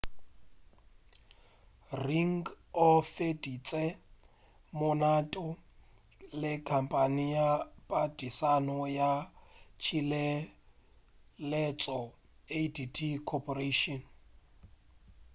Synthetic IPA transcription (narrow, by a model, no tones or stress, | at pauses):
riŋɡ | ɔfedit͡sʼɛ | mʊnatʼɔ | lɪkʰampʼanijapʼadisanɔjat͡ʃʰilɛ | lɛt͡sʼɔ | editʰikʰɔpʼɔreʃɔn